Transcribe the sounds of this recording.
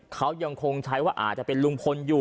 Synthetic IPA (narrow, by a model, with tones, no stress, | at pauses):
kʰa˦˥wja˧ŋkʰo˧ŋt͡ɕʰa˦˥jwaː˥˩ʔa̰ː˨˩t̪̚t͡ɕa˨˩pe˧nlu˧ŋpʰo˧njuː˨˩